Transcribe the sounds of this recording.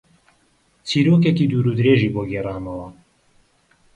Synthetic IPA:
t͡sʰiːɾoːkekiːd̪uːɾud̪ɾeʒiːboɡeraːnɐwɐ

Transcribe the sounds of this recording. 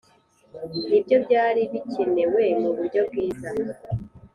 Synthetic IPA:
nibjo̞bɟaːɾiβicinewe̞muβuɾɟo̞bɡiːza

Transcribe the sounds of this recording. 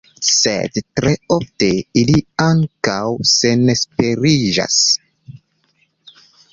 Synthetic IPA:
sḛdtɾe̞ofte̞iliaŋkawse̞nespe̞ɾid͡ʒa̰s

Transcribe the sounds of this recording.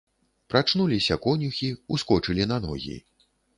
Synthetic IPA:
pɾʔat͡ʂnulʲisʲɐkɔnʲuxʲiuskɔt͡ʂɨlʲinanɔ̰ɣʲḭ

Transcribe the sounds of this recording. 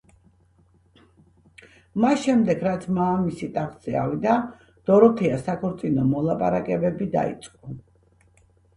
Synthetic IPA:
masʃɛmd̪ɛɡɾat̪sʰmaːmisit̪ʼaχz̥ɛavid̪a | d̪̥ɔɾɔt̪ʰɛasakʰɔɾt̪sʼinɔmɔlˠapʼa̰ɾakʼɛbɛbid̪a̰ḭt̪sʼqʼɔ

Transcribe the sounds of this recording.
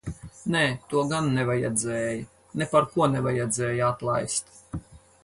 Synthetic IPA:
nɛt̪uɔɡanːɛvajɛd̪zɛːjɐ | nepaɾkuɔnɛvajɛd̪zɛːjat̪lˠa̰jst̪

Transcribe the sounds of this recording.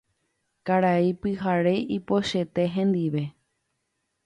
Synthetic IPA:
kaɾaipɨɦaɾe̞ʔipo̞ʃe̞t̪e̞ɦẽ̞nd̪iʋe̞

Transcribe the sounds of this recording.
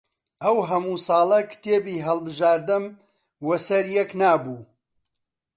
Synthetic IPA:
ɐwɦɐmuːsɑːlˠɐkɨ̥t̪ʰeːbiːɦɐlˠbɨʒaːɾd̪ɨm | wɐsɐɾjɛknaːbuː

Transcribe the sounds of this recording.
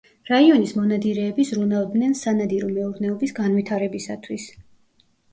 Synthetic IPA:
ɾaiɔnismɔnad̪iɾɛːbizɾunavd̪nɛnsanad̪iɾɔmɛuɾnɛɔbisɡanvit̪ʰaɾɛbisa̰t̪ʰwis

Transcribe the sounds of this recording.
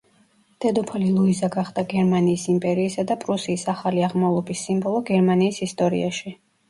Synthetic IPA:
d̪̥ʰɛd̪ɔpʰalilˠuizaɡaχd̪̥aɡɛɾmaniːsimpʼɛɾiːsad̪apʼɾusiːsaχaliaʁmavlˠɔbisːimbɔlˠɔɡɛɾmaniːsist̪ʼɔɾḭa̰ʃi

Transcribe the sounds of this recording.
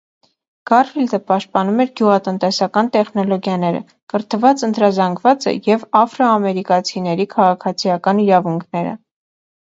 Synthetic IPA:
ɡ̥ɑrfild̪əpɑʃt̪̚pɑnumɛɾɡjuʁɑt̪ənt̪ɛsɑkɑnt̪ɛχn̪ɔlɔɡjɑnɛɾə̰ | kəɾt̪əvɑt͡sənt̪ɾɑzɑŋɡvɑt͡sə̰jɛvɑfɾɔɑmɛɾikɑt͡sʰinɛɾikʰɑʁɑkʰɑt͡sʰijɑkɑniɾɑvuŋkʰnɛɾə̰

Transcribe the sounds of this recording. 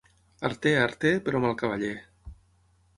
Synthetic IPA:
a̰ɾt̪eaɾt̪epeɾomalˠkaβaʎe

